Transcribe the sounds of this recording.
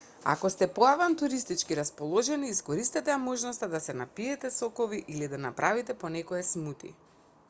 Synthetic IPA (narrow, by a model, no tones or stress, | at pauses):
a̰kɔst̪ɛpɔavant̪uɾist̪it͡ʃkiɾaspɔlˠɔʒɛniːskɔɾist̪ɛt̪ɛamɔʒnɔst̪ad̪asɛnapiɛt̪ɛsɔkɔviʔilid̪anapɾʔavit̪ɛpɔnɛkɔɛsmut̪ḭ